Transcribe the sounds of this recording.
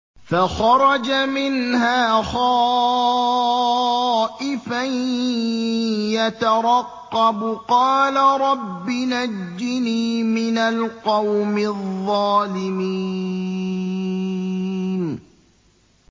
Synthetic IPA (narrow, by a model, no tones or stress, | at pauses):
faxɑɾˤɑd͡ʒamɪnhaːxɑː | ʔɪfaj | jat̪aɾˤɑqːɑbqɑːlaɾˤɑbːɪnad͡ʒːɪniːmɪnalqɑwmɪðˤːɑːlɪmi | n